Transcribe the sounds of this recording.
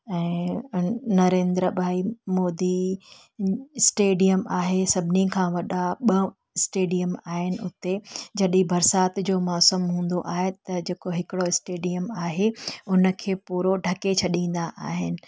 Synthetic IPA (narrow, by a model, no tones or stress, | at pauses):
ɛ̃ː | nɐɾẽːnd̪ɾəbʱaːimoːd̪i | sʈeːɖijəmaːɦesɐbʱɪnikʰãːʋɐɗaɓɐ | ɪsʈeːɖijəmaːɦɪnɪ̆ʊt̪ed͡ʑɐɗĩbɐɾsaːt̪d͡ʑoːmɔːsəmɦũːn̆d̪o̰ʔaːɦet̪ɐd͡ʑeːkoɦɪkɪɽoɪsʈeːɖijəmaːɦeʊnə̆kʰeːpuːɾoɖʱɐket͡ɕʰɐɗĩːn̆d̪aʔa̰ːɦɪnɪ̆